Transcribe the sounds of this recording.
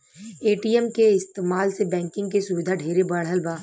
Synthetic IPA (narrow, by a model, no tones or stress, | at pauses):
eːʈiːɛmkeɪst̪eːmaːlsebɛ̃ːŋkɪ̃ŋɡ̚kesʊʋɪd̪ʱaɖʱeːɾebɐɽ̤ɦəlbaː